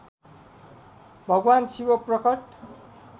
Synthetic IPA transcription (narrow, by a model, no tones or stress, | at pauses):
bʱʌɡwansiwʌprʌkʌʈ